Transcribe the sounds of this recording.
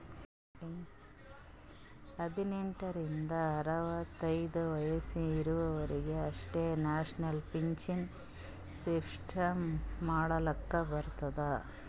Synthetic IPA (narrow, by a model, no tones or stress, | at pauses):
ɐd̪ineɳʈɐɾind̪ɐːɾɐʋɐt̪ːɐjd̪ɐʋɐjɐsiːɾuʋɐʋɐɾiɡe̞ɐʂʈenaːʂnɐlpʰiɲt͡ʃin | sipsʈʰɐmːaːɽɐlɐkːɐbɐɾt̪ɐd̪ɐ